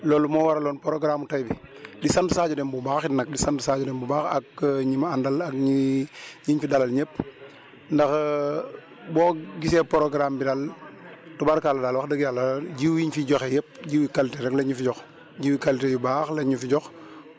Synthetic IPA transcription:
lɔːlmɔwaɾalɔːnpoɾoɡɾaːmutajbidisantsaːd͡ʒɔdembubaːxitnak̚disantsaːd͡ʒɔdembubaːxa̰kːɲimandalakɲiɲiɲfidalalɲep̚ | ndax | bɔːɡisepoɾoɡɾambidal | tɔbaɾkaːlɐdalwaxdəɡjalad͡ʒiwjiɲfiɟɔxejep̚ɟiwikaliteɾɛklɐɲufiɟɔx | ɟiwikalitejibaxlɐɲufiɟɔx

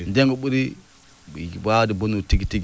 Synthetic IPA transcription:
ndeŋɡəɓuɾi | badibunutiɡitiɡ

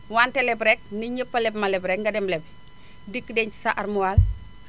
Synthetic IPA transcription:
waːntelɛbɾɛk̚niɲəpːɐlɛbmɐlɛbɾɛkŋɡɐdɛmlɛb | dikːədɛɲt͡ʃi̥saʔɐɾmuwaːl

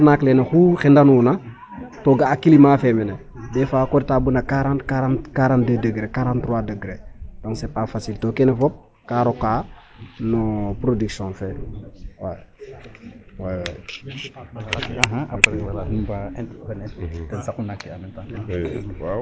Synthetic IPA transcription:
naklenexuxendanuːna | toɡaːkilimaːfɛmɛnɛ | dɛfaːkoɾtaːbunakaɾãntkaɾãntkaɾãːndedəɡɾekaɾãntːɾwaːdəɡɾeːd̥ɔ̃ŋksepafasiltokɛnɛfɔp̚ | kaːɾɔkaː | nupɾodiksɔ̃nfɛwaj | wajw̰j | aɦã | anɛtɛnsakunakːianɛnta | w

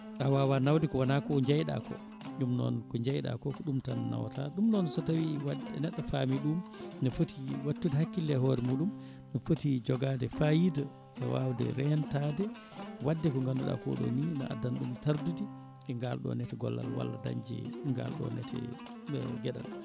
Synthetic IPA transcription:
ʔawawanawdikɔwanakɔɲd͡ʒajɗa̰kɔ̰ | ɗumnɔ̰nkɔɲd͡ʒajɗa̰kɔkɔɗumtanna̰wtaɗumnɔnsɔtawiwadɛnɛɗːɔfamiɗumnɔfotiwatːudɛhakːilːɛɦɔɾɛmuːɗum | nɔfotid͡ʒɔɡadɛfajida | ʔɛwawdɛ̰ɾɛntaːdɛ | wadːɛkɔŋɡanduɗa̰kɔ̰ɗɔ̰ninaa̰danɗumtaɾdudi | ɛŋɡalɗɔ̰nɛtɛɡɔ̰lːa̰lwa̰lːada̰ɲd͡ʒɛ̰ŋɡa̰lɗɔ̰nɛtʰɛ̰ | ɡɛɗa̰l

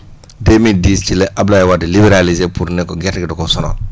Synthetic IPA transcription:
demidist͡ʃileʔablajɛwadɛlibɛɾalizepuɾnɛkɔɡɛtɡɛdɔkɔsɔnɔ̰

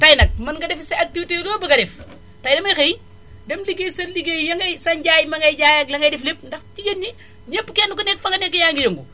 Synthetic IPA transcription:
tɐjnɐk̚mɐnɡɐdɛfseɐk̚tiwiteloːbɐɡɐdɛf | tɐjnɐmɐjxej | dɛmliɡejsɐnliɡejjɐŋɡɐjsɐnɟaːjmɐŋɡɐjɟaːjɐklɐŋɡɐjdɛflep̚ndɐxtiɡɐnɲi | ɲepːkɛnukonɛk̚fɐŋɡɐnɛkːɐjaŋɡijɐŋɡu

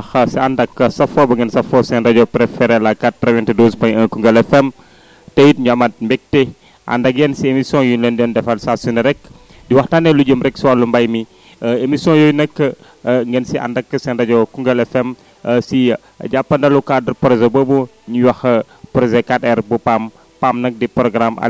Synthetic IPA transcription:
xɐsiandɐkːəsɐfɔbɐŋɡɛnsɐfɔsɛndɐɟɔpɾɛfɛɾɛlakat̚pɾɛvɛntidospɐjəkuŋɡɐlɛfɛm | tejt̚ɲamat̚mbɛk̚te | ʔa̰ndɐɡɛnsiemisɔ̃julɔndɔndɛfalsasunɐɾɛk | diwɐxtanɛluɟəmɾɛksiwalumbajmi | emisiɔ̃jojnɐkːə | ŋɡənsiʔa̰ndakːəsɛndad͡ʒokuŋɡəlɛfɛm | sḭ | d͡ʒapːɐndalukadəɾpɾozebəbu | ɲujwahə | pɾozekatɛrbupam | pamnɐk̚dipɾɔɡɾama̰

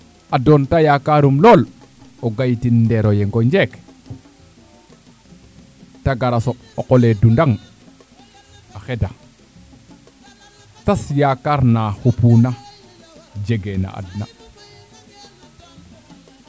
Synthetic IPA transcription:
adontajakaɾumloloɡajtindeɾojeŋɡoɲd͡ʒek | taɡaɾaso | okoledundaŋ | axeda | tasjakaɾnahupuna | d͡ʒeɡena̰ʔa̰dna̰

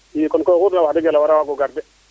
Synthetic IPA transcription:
ikɔnkɔkuɾnawadɪɡɛlawaɾawaɡɔɡaɾdɛ

